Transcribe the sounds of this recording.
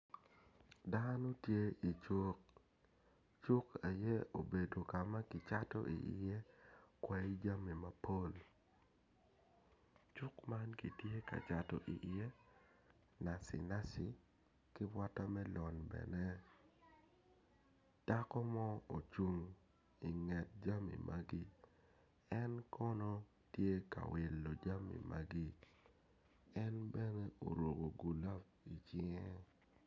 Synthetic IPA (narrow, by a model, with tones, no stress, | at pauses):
da˦no˦tje˦i˨t͡ʃu˦k̚ | t͡ʃu˦ka˨jɛ˦o˨be˨do˨ka˨ma˦ki˨t͡ʃa˦tɔ̰˦ʔḭ˨ʔḭ˨je˦kwɛ˨i˦d͡ʒa˦mi˨ma˨po˦l | t͡ʃu˦kma˦nki˨tje˦ka̰˨t͡ʃa˨tɔ̰˨ʔḭ˨ʔi˨je˦ | na˨sḭ˨na˦si˨ | kɪ˦bwa˦ta˦mɛ˦lɔ˨nbɛ̰˨nɛ˦ | d̥a˦kɔ˦mɔ˦o˨t͡ʃu˨ŋ | i˨ŋɛ˨t̚d͡ʒa˦mḭ˨mʔa˦ɡi˦ | ɛ˦nkʰɔ˦nɔ˦ | tje˦ka̰˨wɪ˨lːo˨d͡ʒa˦mḭ˨mʔa˦ɡi˦ | ɛ˦nbɛ˦ne˦o̰˨ɾwo˨ɡo˨ɡu˨la˦p | i˨t͡ʃɪ˦ŋe˦